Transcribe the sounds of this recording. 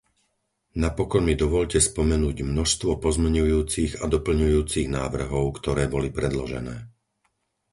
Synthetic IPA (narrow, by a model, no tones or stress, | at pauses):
napɔkɔnmid̪ɔʋɔʎcɛspɔmɛnuːɟmnɔʃst̪ʋɔpɔzmɛɲujuːt͡siɣad̪ɔpl̩ɲujuːt͡siɣnaːʋr̩ɦɔʊkt̪ɔɾɛːbɔlipɾɛd̪lɔʒɛ̰nɛː